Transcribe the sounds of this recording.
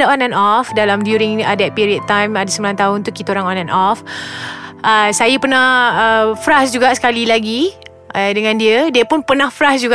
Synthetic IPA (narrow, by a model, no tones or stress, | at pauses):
aʔɔnanɔfdalamdjuɾiŋadat̪̚piɾiəd̚t̪ːãjmadasəmbilant̪aɦʊnt̪ukit̪aoɾaŋɔ̃nanʔɔf | əsajəpərnahəfɾasd͡ʒuɡaʔsə̥kalilaɡi | ədəŋãndiədiəpʊnpərnãhfɾasd͡ʒuɡa